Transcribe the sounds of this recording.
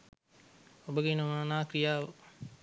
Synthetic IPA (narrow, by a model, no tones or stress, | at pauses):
obəɡenəmannaːkɾijaːʋə